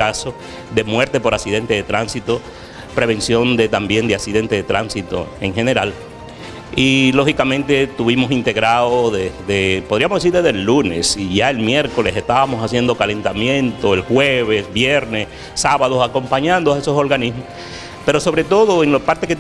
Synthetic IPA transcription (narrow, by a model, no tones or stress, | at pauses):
aso̞ | ðe̞mwe̞ɾt̪e̞po̞ɾasiðe̞nt̪eðe̞t̪ɾansit̪o̞ | pɾe̞βe̞nsjo̞nd̪e̞t̪ambje̞nd̪easiðe̞nt̪eðe̞t̪ɾʔansit̪o̞̰eŋxe̞ne̞ɾal | ilo̞xikamẽnt̪e̞t̪uβimo̞sint̪e̞ɣɾaoðeðepo̞ð̞ɾiamozðesiɾðezðelːune̞siʝae̞lmje̞ɾko̞lesest̪aβamo̞sasje̞nd̪o̞kale̞nt̪amjẽ̞nt̪o̞elxweβesbjeɾnes | saβaðosako̞mpaɲãnd̪oaesoso̞ɾɣanismos | peɾo̞so̞βɾe̞t̪o̞ðo̞eŋlopaɾt̪eket̪